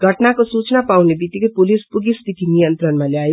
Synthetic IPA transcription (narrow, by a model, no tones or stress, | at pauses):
ɡʱəʈnakosut͡ʃnapaũnebit̪ːikepulispuɡist̪it̪inijənt̪ɾənmaleaje